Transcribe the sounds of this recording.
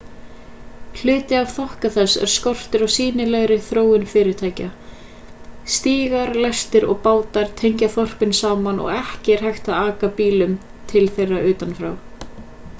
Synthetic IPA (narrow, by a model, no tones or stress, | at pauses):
l̥ʏːt̪ɪav̥θɔhkaθɛsːɛ̰ɾ̥skɔr̥t̪ɪɾawsiːnɪlɛɣɾɪθɾoːwɪnfɪːɾɪɾ̥t̪ʰaːjca | st̪iːɣaɾlɛst̪ɪɾɔ̰ɣpaːwt̪aɾ̥t̪ʰejɲcaθɔr̥pɪnsaːmanʔɔ̰ɣɛhcɪɾ̥hajxt̪aaːkapiːlʏm | t̪ʰɪlθejraʔʏːt̪anfɾa̰w